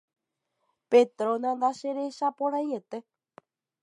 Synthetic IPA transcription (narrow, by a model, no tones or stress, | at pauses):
pet̪ɾõnãnd̪aʃeɾe̞ʃapõɾajet̪e̞